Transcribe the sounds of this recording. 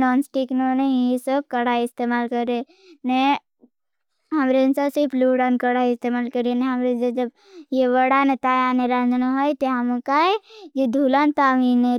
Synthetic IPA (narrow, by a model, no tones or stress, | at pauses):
nɔːnsʈiknonejesəb̚kəɽaɪst̪emaːlkəɾe | ne | ɦɐmɾensasipʰluɽankəɽaɪst̪emaːlkəɾeneɦɐmɾed͡ʒed͡ʒɐb | jeʋəɽanet̪aːjaneɾand͡ʒnoɦojt̪eɦɐmkaejed̪ʱulant̪aːʋine